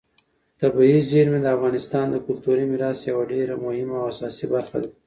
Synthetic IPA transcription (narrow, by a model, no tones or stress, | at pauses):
t̪abiizeɾmed̪əafɣɑnɪst̪ɑnd̪əkʊlt̪uɾimiɾɑsjawaɖeɾamʊhɪmawasɑsibaɾxad̪a